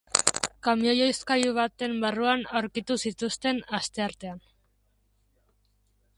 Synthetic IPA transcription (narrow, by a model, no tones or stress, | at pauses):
kamiojo̞jskajuβ̞at̪e̞mbaruanawɾkit̪usit̪ust̪e̞nast̪e̞aɾt̪e̞an